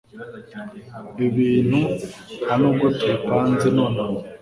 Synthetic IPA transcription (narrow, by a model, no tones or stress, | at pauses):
βiβiːn̥huhanoɡutʰepanzinona